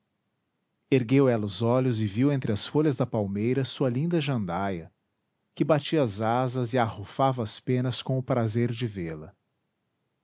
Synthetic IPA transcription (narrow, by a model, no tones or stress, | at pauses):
eɾɡewɛlɐʊzɔʎʊzɪviwẽnt̪ɾɪɐsfoʎɐzd̪ɐpawmejɾɐsuɐlĩnd̪ɐʒɐ̃nd̪ajɐ | kɪbat͡ʃiɐːzazɐzɪahofavɐːspẽnɐskõʊpɾazeɾd͡ʒɪvelɐ